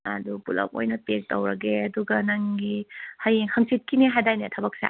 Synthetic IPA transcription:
a̰dupulɐ̰p̚ojnɐtek̚towɾɐɡeɐduɡɐnaŋɡihajeŋhʰaŋsit̚kiniɦadajnetʰɐbɐk̚sa̰

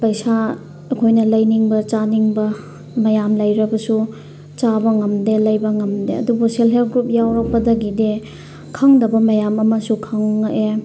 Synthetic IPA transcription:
pɐjsa | ɐkʰojnɐlɐjniŋbɐt͡ʃaniŋbɐ | mɐjamlɐjɾɐbɐsu | t͡ʃabɐŋɐmdelɐjbɐŋɐmdeɐdubuselɦelɡɾup̚jawɾɐk̚pɐdɐɡide | kʰɐŋdɐbɐmɐjamɐmɐsukʰɐŋːʔe

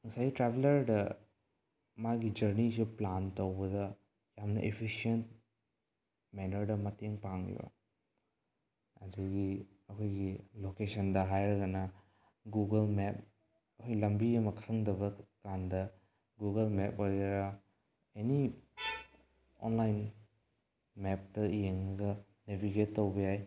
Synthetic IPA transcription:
ŋɐsajɡitɾebelɐɾdɐ | maɡid͡ʒɐɾnisiplantowbɐdɐ | jamnɐ̰ʔepʰisient̚ | mɛnɐɾdɐmɐteŋpaŋ̰jo̰ | ɐduɡi | ɐkʰojɡilokesɐndɐɦajɾɐɡɐnɐ | ɡuɡelmeɛp̚ | ɐkʰojlɐmbiɐmɐkʰaŋdɐbɐkandɐ | ɡuɡelmep̚ojɾɐ | eni | o̰nlajn | mep̚tɐjeŋnɐɡɐ | nebiɡetːowɡɐjaj

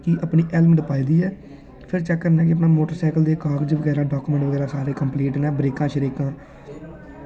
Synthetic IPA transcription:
kiʔəpniːʔɛlməɖəpaːiːd̪iːɛː | pʰɪɾt͡ʃɛkːəɾnɛ̃ːk̬ɪəp̬naːmoːʈəɾsɛːkəld̪eːkaːɡd͡ʒʋəɡɛːɾaːɖaːkuːmɛ̃ɳʈʋəɡɛːɾãːsaːɾeːkəmpliːʈnɛːbɾeːkãːʃəɾeːkãː

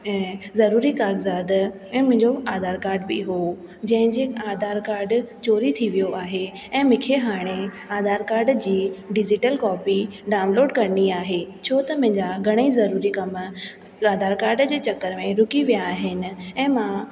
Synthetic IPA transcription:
ɛ̃ːzɐɾuːɾikaːɡzaːd̪ | ɛ̃ːmʊ̃ɦɪ̃ɲd͡ʑoaːd̪ʱaːɾkaːɾɖbɪ̰ɦoː | d͡ʑɐ̃ɦɪ̃ɲd͡ʑeːaːd̪ʱaːɾkaːɾɖt͡ɕoːɾit̪ʰiʋijoʔaːɦe | ɛ̃ːmɪ̃kʰeɦaːɽ̃e | aːd̪ʱaːɾkaːɾɖd͡ʑiːɖɪd͡ʑɪʈəlkɔːpiɖaːʊ̃nloːɖkɐɾniaːɦet͡ɕʰoːt̪ɐmʊ̃ɦɪ̃ɲd͡ʑaɡʱɐɽ̃eizɐɾuːɾikɐm | aːd̪ʱaːɾkaːɾɖd͡ʑeːt͡ɕɐkəɾmẽɾʊkiʋijaːɦɪnɪ̆ɛ̃ːmã

